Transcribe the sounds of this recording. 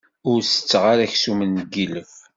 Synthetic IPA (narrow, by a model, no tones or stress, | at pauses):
ʊɾsə̥t͡sːʁaɾæçsumənːɡiləf